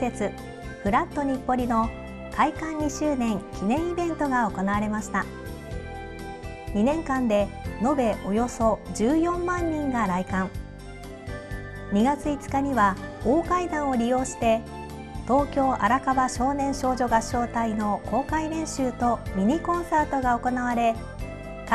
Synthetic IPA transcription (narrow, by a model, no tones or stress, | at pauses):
se̞t͡sɨ | ɸɯ̟ɾat̪ːo̞ɲ̟ipːo̞ɾʲino̞ | kʰaikãɲɲiɕɨːnẽ̞ŋkʲinẽ̞ɰ̃ibẽ̞nt̪o̞ɡao̞ko̞naβaɾe̞maɕi̥t̪a | ɲinẽ̞ŋkãnd̪e̞no̞be̞ʔo̞jo̞so̞d͡ʑɨːjõ̞mːãɲ̟ːĩŋɡaɾaikãŋ | ɲ̟iɡat͡sɨit͡sɨ̥kaɲ̟iβaoːkaid̪ãɰ̃o̞ɾʲijo̞ːɕi̥t̪e̞ | t̪o̞ːkʲo̞ːʔaɾakabaɕo̞ːnẽ̞ɰ̃ɕo̞ːʑo̞ɡaɕːo̞ːt̪aino̞ko̞ːkaiɾẽ̞ɰ̃ɕɨːt̪o̞mʲiɲ̟ikõ̞ɰ̃saːt̪o̞ɡao̞ko̞naβaɾe̞ | k